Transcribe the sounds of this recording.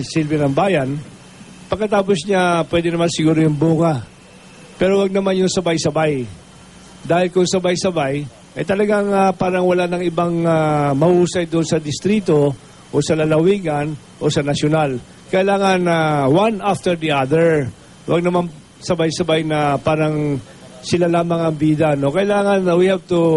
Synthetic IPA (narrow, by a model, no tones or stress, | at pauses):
sɪlbɛnɐŋbaːjɐn | pɐɡkːɐt̪aːposɲapwɛːd̪ɪnɐmansɪɡuːɾojʊŋbuːŋɐ | pɛɾowɐɡ̚nɐmanjʊŋsɐbajsɐbaj | d̪aːhɪlkʊŋsɐbajsɐbaj | ʔɐjt̪ɐlɐɡaŋapaːɾɐŋwɐlanɐŋʔɪbaŋamɐʔuːsɐjd̪ʊʔʊnsɐd̪ɪst̪ɾiːt̪o̞ | ʔosɐlɐlɐwiːɡɐn | ʔo̞sɐnɐsjonal | kɐʔɪlaːŋɐnːɐwanʔaft̪ɛɹd̪iʔad̪ɛɹ | wʔa̰ɡ̚nɐman | sɐbajsɐbajnɐpaːɾɐŋ | sɪlalaːmɐŋɐŋbiːd̪ɐno̞kɐʔɪlaːŋɐnːɐwihɛvt̪ʊ